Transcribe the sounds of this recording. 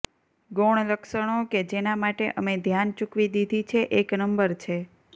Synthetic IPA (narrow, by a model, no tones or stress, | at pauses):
ɡoɽ̃ləkʃəɽ̃oked͡ʒenamaʈeʔəmed̪ʱjant͡ʃukʋid̪id̪ʱit͡ʃʰeʔeknəmbəɾt͡ʃʰe